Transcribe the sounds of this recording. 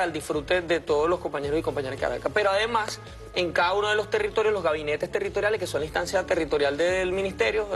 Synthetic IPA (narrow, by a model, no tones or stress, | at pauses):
aeld̪ifɾut̪e̞ðe̞t̪o̞ð̞oslo̞sko̞mpaɲe̞ɾosiko̞mpaɲe̞ɾokea̰ɾa̰kape̞ɾoaðe̞mas | e̞ŋkaðauno̞ð̞elo̞st̪e̞rit̪o̞ɾjo̞zlo̞zɣaβine̞t̪est̪e̞rit̪o̞ɾjale̞ske̞so̞nlaĩnst̪ansjat̪e̞rit̪o̞ɾjald̪elmĩnist̪e̞ɾjo